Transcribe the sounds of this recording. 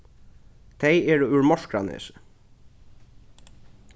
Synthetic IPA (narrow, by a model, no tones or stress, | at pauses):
t̪ʰejɛːɹʉɹmɔʂkɾa̰nɪ̰s